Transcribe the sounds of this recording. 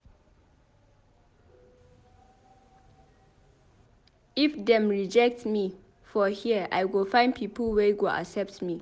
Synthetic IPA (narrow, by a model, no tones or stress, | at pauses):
ifdɛ̃mɹid͡ʒɛk̚tmi | fɔhiəʔa̰jwɪlfãɪ̃ndpʰipəlwɛɡoʔa̰sɛp̚tmi